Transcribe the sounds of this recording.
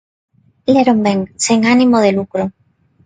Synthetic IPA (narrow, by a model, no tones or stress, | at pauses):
leɾombeŋsiŋanĩmoð̞elukɾo